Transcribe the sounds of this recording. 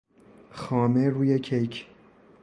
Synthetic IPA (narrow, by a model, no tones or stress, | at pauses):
xɒːmeɾuːjecʰejkʰ